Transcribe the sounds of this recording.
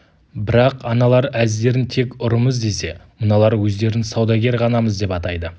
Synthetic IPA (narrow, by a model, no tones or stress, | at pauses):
bɪɾɑqɑnɑlˠɑɾæzd̪e̞ɾɪnt̪ʰe̞kʲʊɾəməzd̪e̞se̞mənɑlˠɑɾwɵzd̪e̞ɾɪnsɑwd̪ɑɡʲe̞ɾʁɑnɑməzd̪e̞pɑt̪ɑjd̪ə